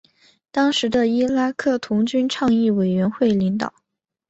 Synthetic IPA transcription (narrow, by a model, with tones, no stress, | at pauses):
t̪ɑ˥ŋʂɻ̩˧˥d̪ə˧i˥la˥kʰɤ˥˩t̪ʰʊ˧˥ŋt͡ɕy˥nʈ͡ʂʰɑ˥˧ŋi˥˩we˨˩ɪɥɛ˧˥nxwe˥˩ɪli˧˥ŋt̪ɑ̰˨˩˦ʊ